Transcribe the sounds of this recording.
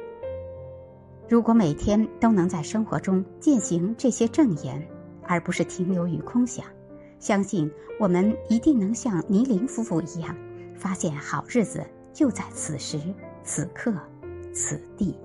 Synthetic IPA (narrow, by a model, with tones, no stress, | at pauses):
ɻu˧˥kwɔ˧˥me˨˩ɪt̪ʰjɛ˥nt̪o˥ʊnɤ˧˥ŋt͡sa˥˩ɪʂɤ˥ŋxwɔ̰˧˥ʈ͡ʂʊ˥ŋt͡ɕjɛ˥˩nɕi˧˥ŋʈ͡ʂɤ˥˩ɕjɛ˥ʈ͡ʂɤ˥˩ŋjɛ˧˥n | ə˞˧˥pu˧˥ʂɻ̩˥˩t̪ʰi˧˥ŋljo˧˥ʊy̰˨˩kʰʊ˥ŋɕjɑ̰˨˩˦ŋ | ɕjɑ˥ŋɕi˥˩nwɔ˨˩mə˧˥ni˧˥t̪i˥˩ŋnɤ˧˥ŋɕjɑ˥˩ŋni˧˥li˧˥ŋfu˥fu˥˩i˧˥jɑ˥˩ŋfa˥ɕjɛ˥˩nxɑ˨˩ʊɻɻ̩˥˩t͡sɹ̩˩ | t͡ɕjo˥˧ʊt͡sa˥˩ɪt͡sʰɹ̩˨˩ʂɻ̩˧˥t͡sʰɹ̩˨˩kʰɤ˥˩ | t͡s̩ʰ˨˩t̪i˥˩